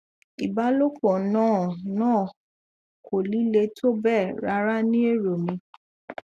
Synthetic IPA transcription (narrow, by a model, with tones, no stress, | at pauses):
i˨ba˦lo˦k͡pɔ˨nãː˦˨nãː˦˨ | kʰo˨li˨˦le˧tʰo˦bɛ˦˨ɾa˧˦ɾa˦nĩ˦e˦˨ɾo˨mĩ˧